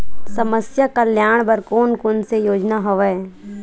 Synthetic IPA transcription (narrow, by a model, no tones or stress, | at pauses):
sɐməsjakəljaːɽ̃bəɾkoːnkʊnsejoːd͡ʒnaɦoʋɛ